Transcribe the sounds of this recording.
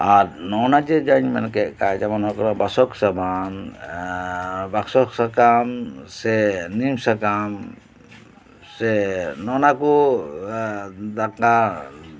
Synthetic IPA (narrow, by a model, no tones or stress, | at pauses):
aɾnɔnad͡ʒɛd͡ʒaɲmɛnkɛʔ̚kajd͡ʒamanɔkɔɾabasɔksaban | baksɔksakamsɛnimsakam | sɛnɔnakɔ | d̪aka